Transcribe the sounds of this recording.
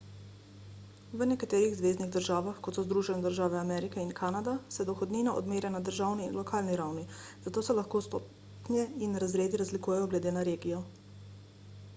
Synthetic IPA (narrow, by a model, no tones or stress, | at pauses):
ʋənɛkat̪eːɾiɣzʋeːzniɣd̪əɾʒaːʋaxkɔt̪sɔzd̪ɾuːʒɛnɛd̪əɾʒaːʋɛamɛɾikɛinkʰanad̪asɛd̪ɔxɔd̪niːnaʔɔ̰d̪meːɾjanad̪əɾʒawninlɔkʰaːlniɾawni | z̥at̪oːsɛlaxkoːst̪o | pnjɛinɾazɾeːd̪iɾazlikuːjɛjɔɡlɛd̪eːnaɾeːɡijɔ